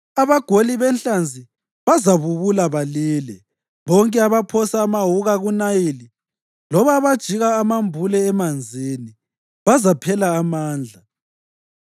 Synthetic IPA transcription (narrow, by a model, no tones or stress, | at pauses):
aβaɡ̥ʱoliβɛnɬand͡zʱi | βazaβuβulaβaliːlɛ | βɔŋkʼɛaβapʰɔsaːmaɦuɣaɣunajili | lɔβaβad̥ʒ̥ʱiɣaːmambʱulɛːmand͡zʱini | βazapʰɛlaːmaːnd͡ɮʱa